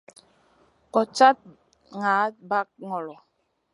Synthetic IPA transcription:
kɔ˨t͡ʃa˦t̚ | ŋaː˨˦ba˦k̚ŋɔ˨lɔ˨

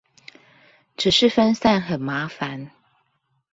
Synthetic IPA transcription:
ʈ͡ʂɻ̩˨˩ʂɻ̩˥˨fə˦nsa˥˨nxə˨˩nma˨˥fa˨˦n

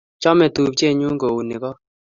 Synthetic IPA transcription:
t͡ʃɔ˦mɛ˨t̪u˨p̚t͡ʃe˦˨ɲu˦ŋɡo˨u˨nɪ˨kɔ˦

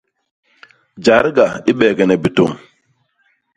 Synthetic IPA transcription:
d͡ʒa˨˦ɾɡa˨i˦ɓɛː˨ɡɛ˨nɛ˨bi˨to˦˨ŋ

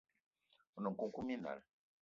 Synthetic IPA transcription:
u˨nu˨ku˦ku˦mi˦na̰˨l

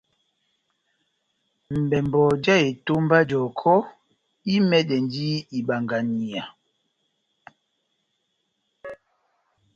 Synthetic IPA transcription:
m̩˨bɛ˨mbɔ˨d͡ʒa˦e˨to˦mba˦d͡ʒɔ˨kʰɔ˦ | i˦mɛ˦ɗɛ˨n˦di˦i˨ɓa˨ŋɡa˨ni˨a˨

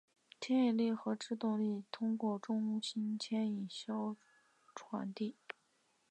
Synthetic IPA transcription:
t̪ʰjɛ˥ni˨˩li˥˩xɤ˧˥ʈ͡ʂɻ̩˥˧t̪ʊ˥˧ŋli˥˩t̪ʰʊ˥ŋkwɔ˥˩ʈ͡ʂʊ˥ŋɕi˥nt̪ʰjɛ˥ni˨˩nɕjo˥ʊ | ʈ͡ʂʰwa̰˧˥nt̪i˥˩

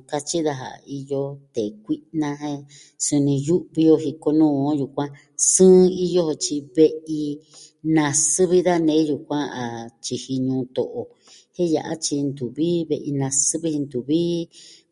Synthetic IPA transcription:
ka˧t͡ʃi˦ða˧ɦa̰˨˧i˧jo˧t̪e˨kʷi˦nã˧ɦẽ˦ | su˧nĩ˧ju˦ʔβi˧jo˧ɦi˧ko˧nũː˦˨õ˦ju˨kʷã˦ | sɨ̃ː˦˧i˦jo˦ho˧t͡ʃi˧βe˧ʔi˧ | nã˧sɨ˦βi˦ða˦nẽ˨˦ju˨kʷã˦a˨t͡ʃi˧hi˧ɲũː˧t̪o̰˨ʔo˨ | hẽ˦ja̰˨ʔa̰˦t͡ʃi˧nd̪u˨βi˦βe˧ʔi˧nã˧sɨ˦βi˧˦hi˧nd̪u˨βiː˦

